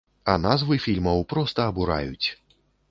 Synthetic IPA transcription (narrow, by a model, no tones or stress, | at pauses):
ɐnazvɨfʲilʲmɐwpɾɔst̪ɐːbuɾa̰jut͡sʲ